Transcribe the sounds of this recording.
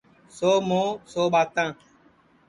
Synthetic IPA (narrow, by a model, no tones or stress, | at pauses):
somõsoɓat̪ã